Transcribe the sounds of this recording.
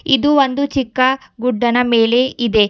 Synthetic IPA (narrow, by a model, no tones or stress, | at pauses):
id̪uond̪ut͡ʃikːɐɡuɖːɐnɐme̞ːle̞ʔid̪e̞